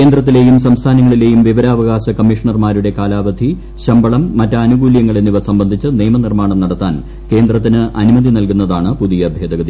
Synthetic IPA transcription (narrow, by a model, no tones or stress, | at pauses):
keːnd̪rɐt̪̬ːile̞ːjumsɐmst̪ʰaːnɐŋːɐɭile̞ːjumʋiʋɐɾaːʋɐɣaːɕɐkɐmːiʂɐɳɐrmaːɾuɽe̞kaːlaːʋɐd̪ʱi | ɕɐmbɐɭɐmːɐtːɐɐnuɡuːljɐŋːɐɭe̞nːiʋɐsɐmbɐnd̪ʱit͡ɕːɨneːmɐnirmaːɳɐmnɐɽɐt̪ːaːn | ke̞ːnd̪rɐt̪ːinɨʔɐnumɐðinɐlkunːɐðaːɳɨpuðijɐːbʱjeːd̪ɐɣɐði